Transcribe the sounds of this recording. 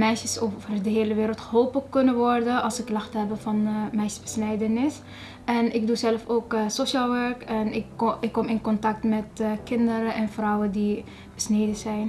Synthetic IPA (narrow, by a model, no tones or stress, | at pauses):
mɛjʃəsovərdəɦeːləʋeːɾəlˠtxɦoːpəkɵnəʋɔɹdəɑlˠsəkːlɑxtəɦɛbəfɑnmɛjʃəzbəsnɛjdənɪs | ʔɛnɪk̚duzɛlfoːksoʃaːlˠʋɛɹkɛnɪɪkːɔmɪnkɔntɑk̚tmɛtkɪndəɾəɛnfrɔwəndi | b̥əsneːdəzɛjn